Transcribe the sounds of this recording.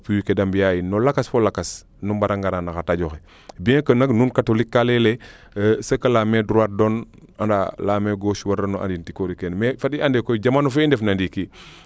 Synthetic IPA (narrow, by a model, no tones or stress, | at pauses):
puwikedambijajinolakasfolakas | numbaɾaŋɡaɾanaxataɟoxe | biẽkənaknunkatolikːalele | səkalamedɾuwat̚don | andalaːmeɡoːʃwaɾanoʔa̰ndintikoɾikenmefadiandekoid͡ʒamaːnufendefnandiki